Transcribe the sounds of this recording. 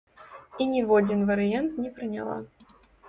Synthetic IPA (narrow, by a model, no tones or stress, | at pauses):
inʲivɔd͡zʲinvɐɾɨjant̪nʲɛpɾɨnʲa̰lˠa̰